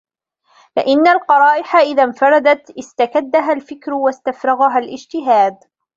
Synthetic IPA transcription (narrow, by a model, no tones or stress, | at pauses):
fɪʔɪnːalqɑɾˤɑːʔɪħaʔɪðamfɑɾˤɑd̪at̪ʔɪst̪akad̪ːaɦalfɪkɾʊwast̪afɾˤɑɣaɦalʔɪd͡ʒt̪ɪɦaːd̪̚